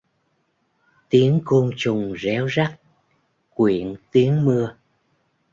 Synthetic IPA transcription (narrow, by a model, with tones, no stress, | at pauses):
t̪i˨˦ənko˧nt͡ɕʊ˨˩ŋ͡mzɛ˨˦wza˦˥k̚ | kwi˧˩˨ənt̪i˨˦ənmɨ˧ə